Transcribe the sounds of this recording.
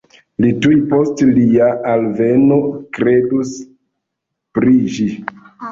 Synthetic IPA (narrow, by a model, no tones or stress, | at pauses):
litujpo̞stliaalve̞no̞kɾe̞dus | pɾid͡ʒi